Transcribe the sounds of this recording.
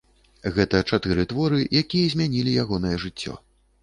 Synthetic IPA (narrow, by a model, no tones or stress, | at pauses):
ɣɛt̪ɐt͡ʂat̪ɨɾɨt̪vɔɾɨjakʲijɐzʲmʲanʲilʲijaɣɔnɐjɛʐɨt͡sʲːɔ̰